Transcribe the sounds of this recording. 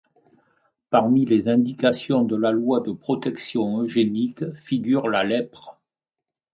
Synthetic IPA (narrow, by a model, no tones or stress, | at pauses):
paʁmilezɛ̃d̪ikasjɔ̃d̪əlalwad̪əpχɔt̪ɛksjɔ̃øʒenikfiɡʲyʁlalɛpχə